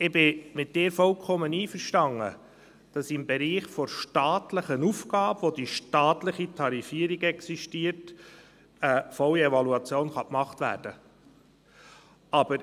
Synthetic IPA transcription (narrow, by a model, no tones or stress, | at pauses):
ɪbɪmɪt̚d̥ɪːɾfɔlkʰɔməniːfəɾʃtɑŋə̰ | d̥ɑsɪmbɛɾiːχfɔɾʃtɑːtləχənufɡɑːbʋod̥iʃtɑːt̪ləχitʰɑɾifiːəɾiɡɛksiʃtiət | əfɔliɛvɑluɑt͡sjoːnχɑkmɑχtʋæ̰ːɾd̥ə | ɑb̥əɾ